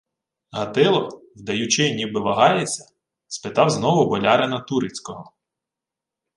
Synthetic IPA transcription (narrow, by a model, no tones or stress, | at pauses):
ɦɐt̪ɪlˠɔwd̪ɐjʊt͡ʃɪnʲibɪʋɐɦɑjet͡sʲːɐ | spɪt̪ɑwznɔʋʊbɔlʲɑɾenɐt̪uɾɪt͡sʲkɔɦɔ